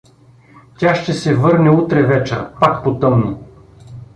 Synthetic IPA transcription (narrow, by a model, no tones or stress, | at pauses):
t̪ʲaʃt̪ɛsɛvɤɾnɛut̪ɾɛvɛt͡ʃə̰pakpot̪ɤmni